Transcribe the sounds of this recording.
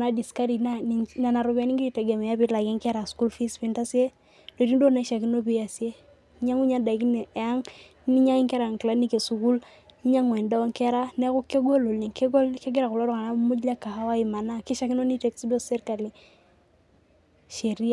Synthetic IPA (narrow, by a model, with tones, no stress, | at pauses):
na˦di˨ska˦ɾi˨nana˨na˨ɾʊ˨kɛ˨˦ni˦ŋɡi˦i˨tɛ˨ɡɛ˨mɛ˨a˦bɪ˦la˨kɛ˦ŋkɛ˦ɾa˨sku˦lfi˦spi˨˦nta˦si˦e˦ | do˨i˦n˦do˦na˦ʃa˨ki˦no˦b̬i˦ja˨se˦ | ɲa˦ŋu˦ɲa˦da˨i˨knː˨a˦ŋ˦ | ni˦ɲa˦ŋi˦ŋkɛ˦ɾa˨ŋkla˨˦ni˦ke˨su˨ku˦l | i˦ɲa˦ŋwɛ˨nda˦ɔ˦ŋkɛ˦ɾa˦nɛ˦ku˦ke˦ɡo˦lo˨lni˨ke˦ɡɔ˦lke˦ɡɛ˦ɾa˨ku˨lɔ˦ɾɔ˦ka˨na˦mu˦d͡ʒla˦ka˨ha˦wa˦i˨ma˨na˦ki˦ʃa˦ki˦no˦ni˦tɛ˨ksbɔ˦sɛ˦ɾka˨li˦ | ʃe˨ɾi˦a˦